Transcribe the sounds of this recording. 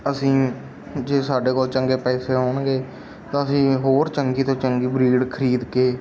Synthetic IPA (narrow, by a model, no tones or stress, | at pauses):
əsĩː | d͡ʒeːsaːɖeːkoːlt͡ʃəŋɡeːpɛːseːɦoːɳɡeː | t̪ãːəsĩːɦoːɾt͡ʃəŋɡiːt̪õːt͡ʃəŋɡiːbɾiːɽkʰəɾiːd̪keː